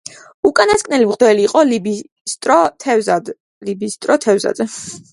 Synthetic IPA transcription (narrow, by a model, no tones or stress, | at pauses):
ukʼanaskʼnɛlimʁd̪ɛliːqʼɔlibi | st̪ʼɾɔt̪ʰɛzad̪ | libist̪ʼɾɔt̪ʰɛvza̰d̪zɛ